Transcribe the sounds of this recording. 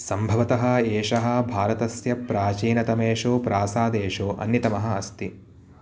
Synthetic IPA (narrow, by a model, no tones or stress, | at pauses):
sɐmbʱɐʋɐt̪ɐɦɐ̆eːʂɐɦɐ̆bʱaːɾɐt̪ɐsjɐpɾaːt͡ʃiːnɐt̪ɐmeːʂoːpɾaːsaːd̪eːʂoːʔɐ̰njit̪ɐmɐɦɐ̆ɐst̪i